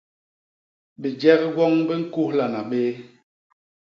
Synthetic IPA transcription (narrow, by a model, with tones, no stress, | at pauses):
bi˨d͡ʒɛ˦ɣɡwɔ˦ŋbə˦ŋ̩˦ku˦hla˨na˨ɓeː˦